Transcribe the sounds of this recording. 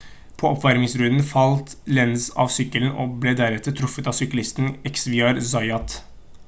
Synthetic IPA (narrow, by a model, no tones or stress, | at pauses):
pʰɔɔpʋæɾmɪŋsɾʉnnfɑlt̪lɛnsɑ̰ːʋsʏkːələn̩ʔɔ̰bleːd̪æɾɛt̪ːət̪ʰɾʊfət̪ɑʋsʏklɪst̪n̩ɛksʋɪɑɾzɑɪɑt̪